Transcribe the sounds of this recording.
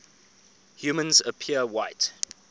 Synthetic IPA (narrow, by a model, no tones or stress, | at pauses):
hjuːmə̃nzəpʰiəwaɪt